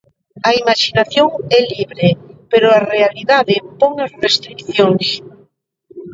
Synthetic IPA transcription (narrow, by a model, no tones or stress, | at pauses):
ɐimaʃinaθjoŋɛliβɾepeɾʊarealiðaðepɔŋasrest̪ɾikθjoŋs